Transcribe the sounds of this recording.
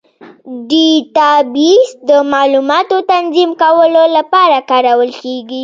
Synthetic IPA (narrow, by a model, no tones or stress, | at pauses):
ɖit̪ɑbisd̪əmɑlumɑt̪ot̪anzimkawəlolapɑɾakɑɾawəlkeɡi